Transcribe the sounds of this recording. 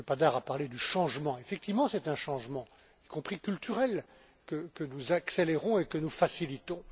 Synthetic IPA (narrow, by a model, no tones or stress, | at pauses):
əpad̪aʁapaʁled̪yʃɑ̃ʒmɑ̃efɛk̚t̪ivmɑ̃sɛt̪ɛ̃ʃɑ̃ʒmɑ̃ | ikɔ̃pχikʲylt̪ʰyʁɛl | kəkənuzakseleʁɔ̃ekənufasilit̪ɔ̃